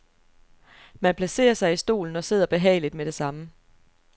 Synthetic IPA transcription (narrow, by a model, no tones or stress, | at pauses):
mænpʰlæse̝̰ːɐsɑ̈ɪisd̥o̝̰ːln̩ɒ̽se̝ð̞̰ˠɐb̥e̝ɦɛ̰ɪlid̥meɾ̥e̝sɑ̈mə